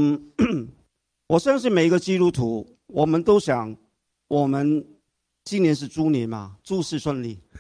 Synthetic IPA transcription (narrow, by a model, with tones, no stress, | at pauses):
wɔ˨˩ʂə˥˧nʂ̬ɻ̩˥˩me˨˩ɪi˥ɡə˧t͡ɕi˥t̪u˥t̪ʰu˧˥ | wɔ˨˩mə˦nt̪o˥ʊɕjɑ˨˩˦ŋ | wʔɔ˨˩mə˦n | t͡ɕi˥njɛ˧˥nʂ̬ɻ̩˥˩ʈ͡ʂu˥njɛ˨˧˥nmɐ̰˨ʈ͡ʂu˥˧ʂɻ̩˥˧ʂwə˥˧nli˥˩